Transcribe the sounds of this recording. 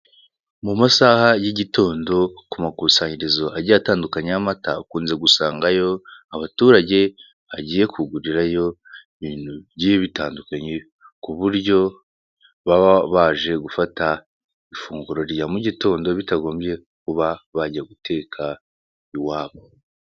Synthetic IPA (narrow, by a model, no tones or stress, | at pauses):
mumasahajiɟitʰo̞ːndo̞kumakusaːɲiɾezo̞ʔaɾɟataːndukaɲamata̰kuːnze̞ɡusaːŋɡajo̞aβatuːɾaɟe̞ | βaɟiːje̞kuɡuɾiɾajo̞ | iβiːn̥huβɟiβitaːndukaɲe | kuβuɾɟo̞ | βaβaʒe̞ɡufata | ifuːŋɡuɾo̞ɾjamuɟito̞ːndo̞βitaɡo̞ːmbje̞ | kuβaβaɟiaɡutʰe̞ːkʰa | iwaːβo